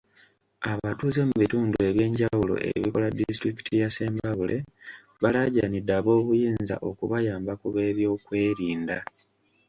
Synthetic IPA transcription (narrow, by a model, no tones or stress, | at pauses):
aβatuːze̞muβituːndueβje̞ːɲɟawulo̰ʔḛβiko̞ladistɾiki̥tʰijase̞ːmbaβulʔe̞ | βalaɟanidaβo̞ːkujiːnza̰ʔo̞kuβajaːmbakuβe̞ːβjo̞ːkwe̞ːɾiːnda